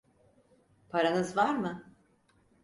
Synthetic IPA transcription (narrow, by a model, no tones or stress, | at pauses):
pʰaɾanɯzvaɾmɯ